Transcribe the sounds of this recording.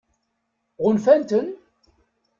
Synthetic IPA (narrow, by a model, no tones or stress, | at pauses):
ʁʊnfænt̪ən